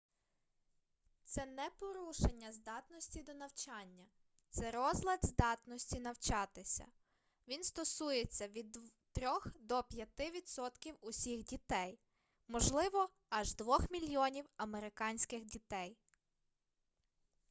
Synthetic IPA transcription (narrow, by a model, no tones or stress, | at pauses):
t̪sɛnɛpɔɾuʃenʲːɐzd̪ɑt̪nɔsʲtʲid̪ɔnɐwt͡ʃɑnʲːɐ | t̪sɛɾɔzlʲˠɐd̪zd̪ɑt̪nɔsʲtʲinɐwt͡ʃɑt̪ɪsʲɐ̰ | ʋʲinst̪ɔsujet͡sʲːɐʋʲid̪ | t̪ɾʲɔxd̪ɔpʲjɐt̪ɪʋʲid̪sɔt̪kʲiwʊsʲixdʲit̪ɛj | mɔʒlˠɪʋɔ | ɐʒd̪ʋɔxmʲilʲjɔnʲiwɐmeɾɪkɑnʲsʲkɪxdʲit̪ɛj